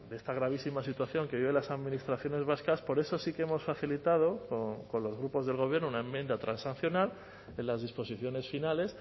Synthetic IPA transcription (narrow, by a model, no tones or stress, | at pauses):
d̪e̞st̪aɣ̞ɾaβ̞isimasit̪waθjo̞ŋke̞βiβe̞nlasaðmĩnist̪ɾaθjo̞ne̞zβaskaspo̞ɾe̞so̞sikeemo̞sfaθilit̪að̞o̞koko̞nlo̞zɣɾupo̞zðe̞lɣo̞β̞je̞ɾnounae̞mːjend̪at̪ɾʔansan̟θjo̞nal | e̞nlazðispo̞siθjo̞ne̞sfinale̞s